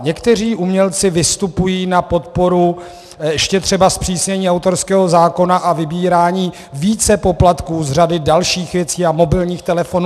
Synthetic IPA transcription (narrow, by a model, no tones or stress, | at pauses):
ɲɛkt̪ɛr̝iːʔumɲɛlt͡sɪvɪst̪upujiːnapo̞t̪̚po̞ɾu | jɛʃcɛt̪r̝̥ɛbaspr̝̥iːsɲɛɲiːawt̪oɾskɛːɦo̞zaːko̞naʔavɪbiːɾaːɲiː | viːt͡sɛpo̞plat̪kuːzr̝adɪdalʃiːxvjɛt͡siːamo̞bɪlɲiːxt̪ɛlɛfo̞nu